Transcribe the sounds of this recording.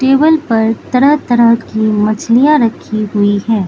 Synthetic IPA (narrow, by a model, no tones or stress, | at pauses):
ʈeːbəlpɐɾt̪ɐɾəɦt̪ɐɾəɦkimɐt͡ʃlijaɾɐkʰːiɦʊiɦɛː